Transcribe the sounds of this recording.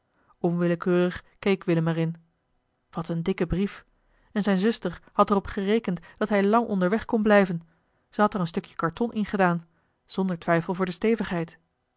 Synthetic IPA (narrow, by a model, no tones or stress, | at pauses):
ɔnʋɪləkøːrəχkejkʋɪləmɛrɪn | ʋɑtəndɪkəbrif | ɛnzɛjnzɵstəɹhɑtərɔpχərejkəntd̥ɑtɦɛjlɑŋʔɔ̰ndəɹʋɛχkɔnblɛjvən | z̥əɦɑtərənstɵkjə̥kɑɹtɔnʔɪnχədaːn | z̥ɔndəɹtʋɛjfəlˠvʊːɹdəstejvəχɦɛjt